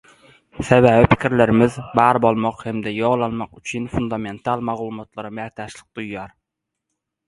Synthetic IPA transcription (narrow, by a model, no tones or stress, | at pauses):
sɛbæːvɪpʰɪ̥kʲɪɾlɪɾɪmɪzbɑɾbolˠmɑqhɛmd̪ɛjoʁlˠɑnmɑqyt͡ʃʰynfund̪ɑment̪ʰɑlˠmɑʁlˠumɑt̪lˠɑɾɑmɛt̪ʰɑʃlˠɪq̚t̪ujːɑɾ